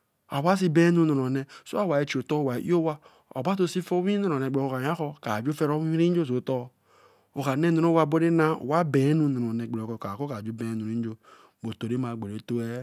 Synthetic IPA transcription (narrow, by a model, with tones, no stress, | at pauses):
a˨wa˦s̬i˦be˦nu˦no˨o˨ne˨so˦a˦wa˨e˨t͡ʃi˨o˨to˦˨wa˨ʔḭ˦o˦wa˦ | o̰˨ba˦t̬o˦si˦fo˦wi˦no˨ɾo˨ne˨ɡ͡bo˨ka˨a˦kɔ˦ka˨d͡ʒu˦fe˦ɾo˦wi˦i˦ɾi˦d͡ʒo˦s̬o˨tɔ˦ | o˨ka˨ne˦no˨ɾo˦wa˦bo˦ɾe˦na˦o̰˨wa˦be˨˦nu˦˨no˨ɾo˨ne˨ɡ͡be˨o˨ko˨ka˨ko˦ka˨d͡ʒu˦be˨˦nu˨ɾi˦n˦d͡ʒo˦ | ɡ͡bo˨to˨ɾe˦ma˨ɡ͡be˨ɾe˨to˦e˦